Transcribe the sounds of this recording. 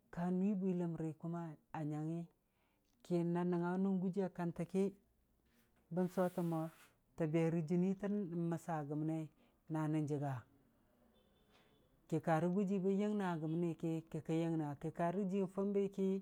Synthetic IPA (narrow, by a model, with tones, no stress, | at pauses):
ka˨n˦i˦bʷi˦la˨mɾi˨ku˦ma˦a˨ɲa˨ŋi˦ | ki˨na˨na˨ŋa˨˦nu˦nɡu˦d͡ʒi˦a˨ka˨nta˨ki˦ | bə˦nso˦ta˨mo˨ | ta˨be˨ɾi˨d͡ʒi˨ni˦ta˦˨ma˨sa˨ɡu˨m˨ne˦ | na˨ni˦˨nd͡ʒi˨ɡa˨ | ki˨ka˨ɾi˦ɡu˦d͡ʒi˦ba˦je˦ŋna˨ɡə˨m˨ne˦˨ki˦ki˨ka˦je˦ŋna˨ki˨ka˨ɾi˦d͡ʒi˦n˨fa˦mba˦ki˦